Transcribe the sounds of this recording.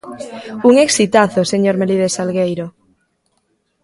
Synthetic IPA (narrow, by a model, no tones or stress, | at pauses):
uŋeksit̪aθoseɲoɾmeliðesalɣejɾo